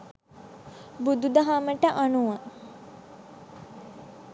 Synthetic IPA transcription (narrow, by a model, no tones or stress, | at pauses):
bud̪ud̪əɦaməʈəʔanuʋa